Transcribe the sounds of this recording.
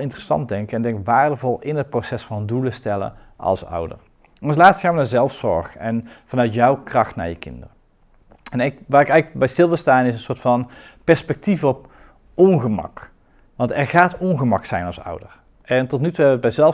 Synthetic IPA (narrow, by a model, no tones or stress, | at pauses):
lˠɪntrəsɑ̰nt̚dɛŋkəɛndɛŋkʋaːɹdəvɔlˠɪnɦət̚prowsɛsfɑnduləstɛlə̰ | ʔɑ̰lˠsʌ̰wdə̰r | ɑnslaːtstxaːnʋənaːɹzɛlˠfsɔ̰ɹχɛnv̥ɑnœɥtjɔwkrɑxtna̰ːɹjəkɪ̰ndərə | ɛnɪkʋaːɾɪkɛjɣləkbɛjstɪlˠʋəstaːnɪsənsoːɹtfɑnpɛɹspɛk̚tivɔp | ɔnɣəmɑ̰k | ʋɑntɛɹɣaːtɔnɣəmɑksɛjnɑlˠsʌ̰wdər | ɛntɔtnytuɦɛbəʋəd̚bɛjzɛl